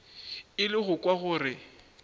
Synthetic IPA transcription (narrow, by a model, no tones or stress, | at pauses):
ɪlɪɣʊkʼwaɣʊːrɪ